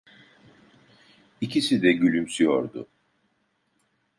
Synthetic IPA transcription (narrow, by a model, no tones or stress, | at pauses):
icʰisid̪ɛɟylʲymsyjo̰ɾd̪ʊ̰